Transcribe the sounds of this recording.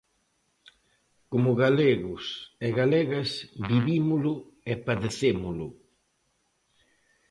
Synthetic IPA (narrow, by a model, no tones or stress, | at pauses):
komʊɣaleɣʊseɣaleɣasbiβimʊlʊ | epaðeθemʊlʊ̰